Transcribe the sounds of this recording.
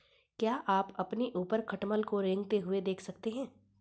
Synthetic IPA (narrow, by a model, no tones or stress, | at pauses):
kjaːʔaːpɐpniʔuːpəɾkʰɐʈməlkoɾẽːŋɡt̪eɦʊed̪eːkʰsɐkt̪eɦɛ̃ː